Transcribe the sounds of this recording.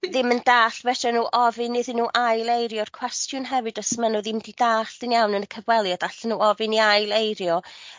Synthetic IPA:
ðɪməndaːɬvɛtɛnuːʔɔvɨnːɪðɪnːuːʔajlˠejɾjɔrkʰw̥ɛstjʊnɦɛvɨdɔsəmanɔðɪmdidaːɬd̥ɪnjawnənəkʰəvwɛlˠjɔd̥aɬənuːɔvɨniajlˠejɾjɔ

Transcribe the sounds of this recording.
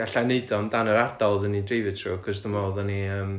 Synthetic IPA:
ɡ̥aɬajneɨdɔmdanəɾardɔlˠðənidrejvɨtʰrṵːkʰɔsðəmaðəniəːm

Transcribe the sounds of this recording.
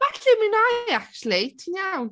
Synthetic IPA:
vɛɬɪminajakʃlɪtʰinjawn

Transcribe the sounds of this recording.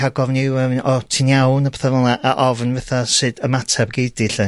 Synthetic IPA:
aɡɔvnɪwɛvnɔtʰinjawnəpθəvɔlˠaʔaʔɔvnvɛθasɨdəmatʰabɡejdɪɬɨ

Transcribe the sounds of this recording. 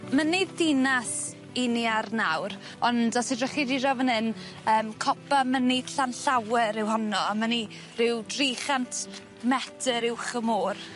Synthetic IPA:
məniðɪnas | iniarnawr | ɔndɔsidrəχidirɔvənɨn | əːmkʰɔpʰamənid̥ɬanɬawɛɾɪwhɔnɔamani | rɪwdriːχantʰ | mɛtʰəɾɪwχəmoːr

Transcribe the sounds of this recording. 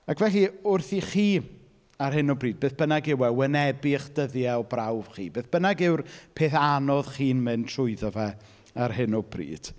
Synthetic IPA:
akʰvɛɬiʊrθiχiː | arɦɨnɔbriːd̚beːθb̥ənaɡɪwɛwənɛbɪχd̥əðjaɔbrawv̥χiːbeːθb̥ənaɡɪwrpʰeːθanɔðχiːnmɨntʰr̥ʊɨðɔvɛ | arɦɪnɔbrḭːd̥

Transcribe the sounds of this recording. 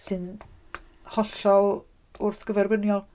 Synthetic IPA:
sɨn | hɔɬɔl | ʊrθɡ̥əvɛrbənjɔlˠ

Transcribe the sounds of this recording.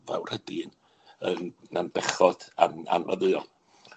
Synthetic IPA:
va̰wr̥hədin | ənnanbɛχɔd̥ana̰nvəðɨɔ

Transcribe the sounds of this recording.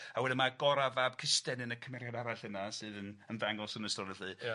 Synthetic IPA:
awɛdɪmaɡɔɾavab̥̚kʰɪstɛnɨnəkʰəmɛɾjadaɾaɬənasɨːðənənvaŋɔsənəstɔɾəɬɨ

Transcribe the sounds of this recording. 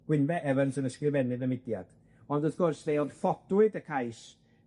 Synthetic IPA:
ɡ̥wɪnvɛʔɛvənsənəskrɪvɛnɨðəmɪdjad̥ | ɔndɔθkʰʊrsðejɔnfɔd̥wɨdəkʰajs

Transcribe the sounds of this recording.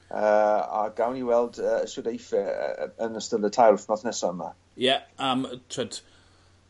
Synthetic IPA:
əːa̰ɡ̥awniwɛlˠdəəswɪdejfɛ̰ənəstəlˠətʰajlˠfnɔθnɛsaəma̰ | jɛəmtʰwɛd̥

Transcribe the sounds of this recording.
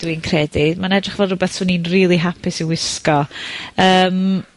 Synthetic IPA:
d̥winkʰrɛdɪmanɛdrɪχvɛlˠrʊbɛθsʊninriːlˠiɦapʰɪsiwɪskɔəːm

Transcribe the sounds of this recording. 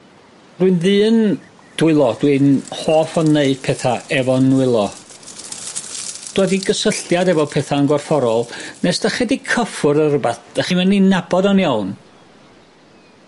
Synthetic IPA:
d̥wiɨnðɨːn | d̥ʊɨlˠɔdwɨnhoːfɔneɨd̥̚pʰɛθaɛvɔnːwɨlˠɔ | d̥wɛdiɡəsəɬjadɛvɔpʰɛθaənɡwɔrfɔɾɔlˠnɛsd̥aχɛdikʰəfʊɾərəbaθd̥aχimɛninabɔdɔnjawn

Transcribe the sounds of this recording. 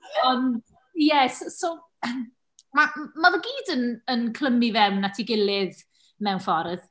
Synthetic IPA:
ɔnd | jɛsosow | m | mamaðəɡiːdənənkʰl̥əmivɛwnːatʰiɡɪlɪð | mɛwnfɔɾð

